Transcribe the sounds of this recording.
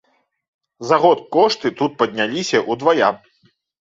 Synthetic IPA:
zaɣɔt̪̚kɔʂt̪ɨt̪ut̪̚pɐd̪ʲnʲalʲisʲɐʔud̪vaja̰

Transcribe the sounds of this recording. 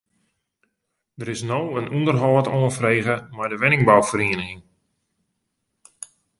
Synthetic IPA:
d̥əɾɪsnowənundərɦɔːtoːənfreːɣəmajdəʋɛnɪŋbawfəɾeənəxɪŋ

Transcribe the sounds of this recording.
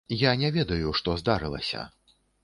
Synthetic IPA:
janʲɛvʲɛd̪ɐjuʂt̪ɔzd̪aɾɨlˠɐ̰sʲɐ̰

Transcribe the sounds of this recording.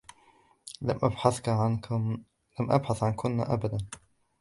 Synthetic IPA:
lamʔabħaθk | lamʔa̰bħaθʕankʰʊnːa̰ʔa̰bad̪an

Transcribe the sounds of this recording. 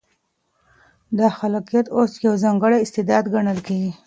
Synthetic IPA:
d̪ɑxalɑqijat̪osjawzɑŋɡəɽaɪst̪ɪd̪ɑd̪ɡaɳəlkeɡi

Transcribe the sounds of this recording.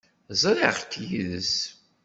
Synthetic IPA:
zˤɾɪʁt̪ːjiðəs

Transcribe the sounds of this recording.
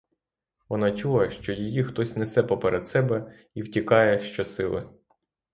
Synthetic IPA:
ʋɔnɑt͡ʃulˠɐʃt͡ʃɔjijixt̪ɔsʲnɪsɛpɔpɛɾʔɛd̪sɛbɛ | iwtʲikɑjɛʃt͡ʃɔsɪlˠɪ̰

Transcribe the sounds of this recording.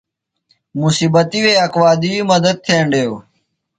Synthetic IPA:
mʊsiːbət̪iːʋeːəkʋaːd̪iiːməd̪əd̪̚t̪ʰẽːɳɖeːoː

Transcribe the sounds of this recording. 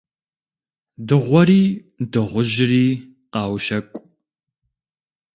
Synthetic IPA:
dɨʁʷɔɾiː | dɨʁʷʊʒɪriː | qɑːwʃɐkʷʼ

